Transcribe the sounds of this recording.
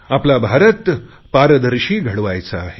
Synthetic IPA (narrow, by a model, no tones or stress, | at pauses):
aplabʱaɾət̪ | paɾəd̪əɾɕiːɡʱəɽʋajt͡saːɦe